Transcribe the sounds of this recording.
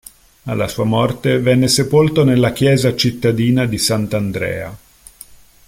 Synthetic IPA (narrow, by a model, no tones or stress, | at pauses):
a̰lːasuːamɔrt̪evɛnːesepolt̪onelːak̟jɛːzat͡ʃit̪ːad̪iːnad̪isant̪and̪ɾɛ̰ːa̰